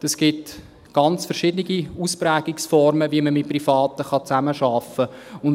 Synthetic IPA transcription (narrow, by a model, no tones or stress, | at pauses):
ɛsɡ̥ɪt | ɡ̥ɑnt͡sfɛɾʃɪdənɪɡiuspræːɡ̥ɪksfɔɾməviəməmɪt̚prifɑːtəχɑt͡sæməʃɑfəʊn